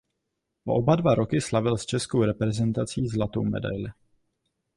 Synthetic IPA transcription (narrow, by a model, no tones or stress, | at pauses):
ʔo̰ʔobadvaɾo̞kɪslavɪlst͡ʃɛskowɾɛpɾɛzɛnt̪at͡siːzlat̪o̰wmɛ̰da̰jlɪ